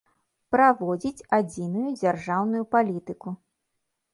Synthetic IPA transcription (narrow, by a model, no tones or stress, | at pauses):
pɾavɔd͡zʲit͡sʲad͡zʲinujud͡zʲarʐawnujupalʲit̪ɨku